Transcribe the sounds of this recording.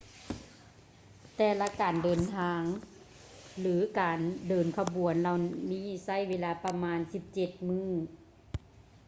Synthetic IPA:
t̪ɛː˧˩la˧˥kaː˨˩ndɤː˨nt̪ʰaː˧ŋ | lɯː˨˦kaː˨˩ndɤː˨˩nkʰa˧bu˨˩˦ənla˧˩wmiː˧˥˨sa˧˥˨jweː˧˥laː˧pa˧maː˧˥nsi˧˦p̚t͡ɕe˧˩t̪̚mɯː˧˥˨

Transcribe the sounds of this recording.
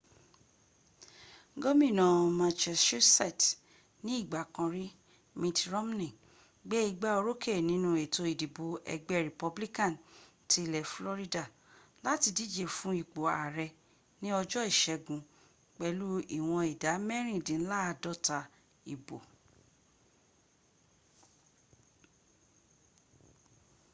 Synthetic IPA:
ɡo˦mĩ˦˨nã˨mã˧t͡ʃɛ˧sʃo˦sɛ˦˨t | nĩ˦i˦˨ɡ͡ba˨kã˧ɾi˦ | mĩ˧tɾɔ˦m˦nĩ˦˨ | ɡ͡be˦i˦ɡ͡ba˦o˧ɾo˦ke˦˨nĩ˨˦nũ˧˦e˨to˧i˨di˨bo˨˧˦ɛ̰˧ɡ͡bɛ˦ɾe˨pɔ˧bli˦kã˦˨n | ti˧˦˧lɛ˨flɔ˦ɾi˦da˦˨ | la˦ti˧di˦d͡ʒe˦˨fũ˦i˦˨k͡po˨a˨ɾɛ˧ | nĩ˦ɔ˧d͡ʒɔ˦i˦˨ʃɛ˧ɡũ˧ | k͡pɛ˧lu˦i˨w̃ɔ̃˧i˨da˨˦mɛ˦ɾ̃ĩ˦˨dĩ˨n̩˦la˦a˧dɔ˦ta˧ | i˨bo̰˨

